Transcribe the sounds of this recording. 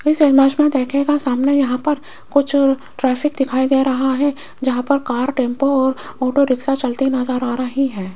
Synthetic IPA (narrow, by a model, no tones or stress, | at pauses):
ɪsemaːʃmẽd̪eːkʰnekasaːmnejɐɦãpɐɾ | kʊt͡ʃʰ | ʈɾɛːpʰɪkd̪ɪkʰaːid̪eːɾɐɦaɦɛ | d͡ʒɐɦãpɐɾkaːɾʈẽːmpoɔːɾɔːʈoɾɪksat͡ʃɐlt̪inaːzaːɾaːɾaɦiɦɛː